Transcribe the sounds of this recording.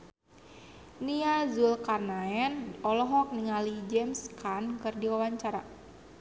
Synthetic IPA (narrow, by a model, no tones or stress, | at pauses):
niazulkarnaɛnɔlɔɦɔk̚niŋalid͡ʒɛmskankɨrdiwawaɲt͡ʃaɾa